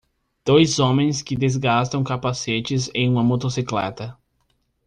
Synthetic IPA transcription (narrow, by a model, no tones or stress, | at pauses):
d̪̥ojzõmẽj̃skɪd̪ezɡast̪ɐ̃w̃kapaset͡ʃɪzẽj̃ũmɐmot̪osiklɛ̰t̪ɐ